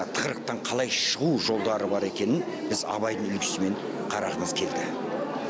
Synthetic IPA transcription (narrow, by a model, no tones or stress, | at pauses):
t̪ʰə̥qɾəq̚t̪ɑɴqʰɑlˠɑjʃəʁuʒo̞lˠd̪ɑɾəbɑɾe̞kʲe̞nɪn | bɪzɑ̰βɑjd̪əɴʏlkʲʰɪ̥sɪme̞ɴ | qʰɑɾɑʁəməzkʲʰe̞ld̪ɪ